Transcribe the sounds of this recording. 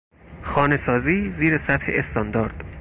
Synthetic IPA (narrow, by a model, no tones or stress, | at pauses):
xɒːne̞sɒːziːziːɾesæt̪hḛʔest̪ʰɒnd̪ɒːɾd̪̥